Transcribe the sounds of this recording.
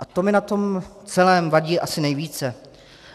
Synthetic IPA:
ʔat̪o̞mɪnat̪o̞m | t͡sɛlɛːmvaɟiːʔasɪnɛjviːt͡sɛ

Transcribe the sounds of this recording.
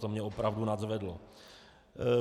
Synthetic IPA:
t̪omɲɛopɾavdunazvɛdlo̰

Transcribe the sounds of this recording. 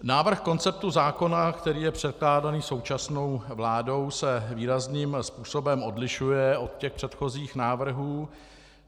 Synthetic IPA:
naːvr̩xko̞nt͡sɛp̚t̪uzaːko̞nakt̪ɛɾiːjɛpr̝̥ɛt̪̚klaːdaniːso̞wt͡ʃasno̞wvlaːdo̞wsɛviːɾazniːmspuːso̞bɛmo̞dlɪʃujɛo̞t̪̚cɛxpr̥ɛt̪xo̞ziːxnaːvr̩ɦuː

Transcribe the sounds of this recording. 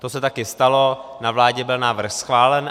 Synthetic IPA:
t̪o̞sɛt̪akɪst̪alo̞navlaːɟɛbɪlnaːvr̩xsxvaːlɛn

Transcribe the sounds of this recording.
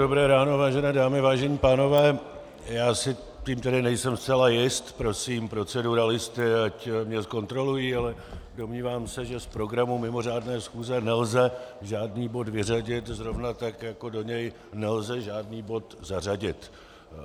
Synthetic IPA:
obɾɛːɾaːno̞vaːʒɛnɛːdaːmɪvaːʒɛɲiːpaːno̞vɛː | jaːsɪ | ciːmt̪ɛdɪnɛjsɛmst͡sɛlajɪst̪pɾo̞siːmpɾo̞t͡sɛduɾalɪst̪ɪacmɲɛsko̞nt̪ɾo̞lujialɛdo̞mɲiːvaːmsɛʒɛspɾo̞ɡɾamumɪmo̞r̝aːdnɛːsxuːzɛnɛlzɛʒaːdniːbo̞d̪vɪraɟɪt̪zɾo̞vnat̪akjako̞do̞ɲɛj | nɛlzɛʒaːdniːbo̞t̪zar̝aɟɪt̪

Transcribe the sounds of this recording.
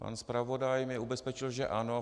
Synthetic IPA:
pa̰nspɾavo̞dajmɛʔubɛspɛt͡ʃɪlʒɛʔano

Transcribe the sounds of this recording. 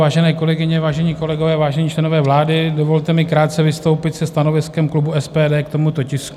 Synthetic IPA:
aːʒɛnɛːko̞lɛɡɪɲɛvaːʒɛɲiːko̞lɛɡovɛːvaːʒɛɲiːt͡ʃlɛno̞vɛːvlaːdɪdovo̞lt̪ɛmɪkɾaːt̪̚t͡sɛvɪst̪owpɪt̪sɛst̪ano̞vɪskɛmklubuɛspɛːdɛːkt̪o̞mut̪ocɪsk

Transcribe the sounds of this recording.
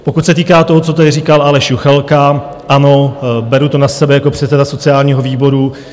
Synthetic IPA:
po̞kut̪sɛt̪iːkaːt̪o̞ɦot͡sot̪adɪriːkalʔalɛʃjuxɛlka | ʔano̞bɛɾut̪o̞nasɛbɛjako̞pr̝̥ɛt̪sɛdaso̞t͡sɪaːlɲiːɦo̞viːbo̞ɾu

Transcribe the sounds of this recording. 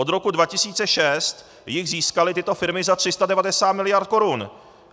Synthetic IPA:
od̪ɾo̞kudvacɪsiːt͡sɛʃɛst̪ | jɪxziːskalɪt̪ɪt̪o̞fɪɾmɪzat̪r̝̥ɪst̪adɛvadɛsaːt̪mɪlɪjaɾt̪̚ko̞ɾun

